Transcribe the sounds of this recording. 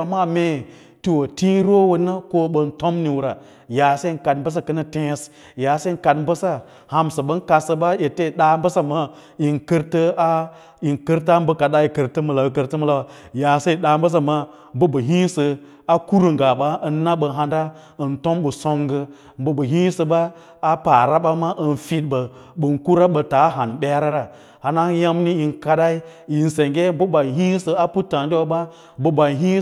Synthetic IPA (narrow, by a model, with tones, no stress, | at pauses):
a˨ma˦me˨ | ti˦˨wo˨ti˦ɾo˦wə˨na˦ko˦ɓə˨n˦to˦mni˨wu˨ɾa˨ | ja˨se˦i˦˨n˨ka˨dm˦bə˦s̬a˦kə˦nə˦tẽ˦s | ja˨se˦i˦ka˨dm˦bə˦sa˦ | ha˨msə˨ɓə˦n˦ka˨sə˨ɓa˦je˨te˦˨ɗa˨mbə˦sa˦ma˦ | i˨nkə˦ɾtə˦a˦ | i˨nkə˦ɾta˦m˦bə˦ka˨da˦i˨kə˨ɾtə˦mə˨la˨wə˨kə˦ɾtə˦mə˦la˦wa˨ja˨sa˦i˨ɗa˨m˦bə˦s̬a˦ma˦ | mbə˦bə˨ɦi˦sɨ˧ | a˦ku˦ɾɨ˨ŋɡa˨ɓa˦ə˦nːa˦ɓə˨ɦa˨nda˦ | ə˨nto˦mɓə˨so˦ŋɡə˧ | m˦bə˦bə˨ɦi˦sə˧ɓaː˦ | pa˨ɾa˦ɓa˦ma˦ʔə˨nfi˦tbə˨ | ɓə˨nku˦ɾa˦ɓə˨ta˨˦ɦa˨nɓʲe˦ɾa˦ɾa˨ | ha˨na˦ŋ˦ja˦mni˦ji˨nka˧˦da˦i˦i˨n˨se˨ŋɡe˦bə˦ba˨ɦi˦sə˨a˦pu˦tːa˨ndi˦wo˦ɓa˦ | bə˦ba˨ɦi˦